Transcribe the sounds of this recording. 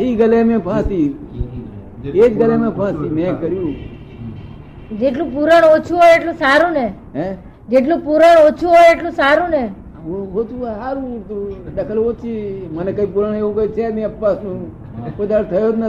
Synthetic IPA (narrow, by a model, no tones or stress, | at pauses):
ɦiɡəlemẽpʰãsiː | ed͡ʒɡəlemẽpʰãːsiːmẽkəɾjũː | d͡ʒeʈlũpuɾəɽ̃ot͡ʃʰuɦojeʈlũsaɾũne | ɦẽ | d͡ʒeʈlũpuɾəɽ̃ot͡ʃʰuɦojeʈlũsaɾũne | oɦot̪usaɾũt̪uɖəkʰəlot͡ʃʰimənekəipuɾəɳ̃eũkəit͡ʃʰenĩəpːasnũː | kod̪aɾt̪ʰəjot̪nə